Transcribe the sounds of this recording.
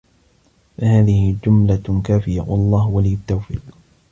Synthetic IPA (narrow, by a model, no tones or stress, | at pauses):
fahaːðɪhɪd͡ʒʊmlakaːfɪjawɑlˤːɑːhwalɪjʊt̪ːawfḭːq